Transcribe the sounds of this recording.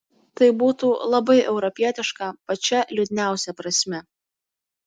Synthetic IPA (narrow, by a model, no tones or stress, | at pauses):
t̪ɐɪbuːt̪uːlˠɐbɐɪʔɛʊɾɔpʲiɛt̪ʲɪʃkɑˑpɐt͡ʃʲɛlʲud̪ʲnʲæˑʊsʲɛpɾɐsʲmʲɛ